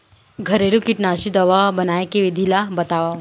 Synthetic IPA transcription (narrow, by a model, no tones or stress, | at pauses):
ɡʱɐɾeɾukɪʈnaːʃid̪ɐʋabɐnaːjekeʋɪd̪ʱilabɐt̪aːʋa